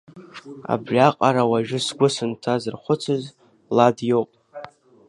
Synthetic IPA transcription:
a̰brʲaqʼaɾawaʒᶣʊsɡʷʊsɨntʰazɨrχʷʊt͡sʰɨz | ladjo̞wpʼ

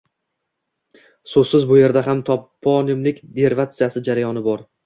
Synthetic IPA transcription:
sozsɪzbʊje̞ɾd̪aɦamt̪ʰɒpʰːɒnɪmlɪkʲd̪e̞ɾvat̪sijasɪd͡ʒaɾajɒnɪbɒɾ

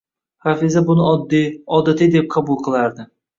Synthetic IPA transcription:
hafɪzabʊnɪɒd̪ɒd̪at̪ʰɪd̪ep̚qʰɑbʊlˠqʰɨlˠaɾd̪ɪ

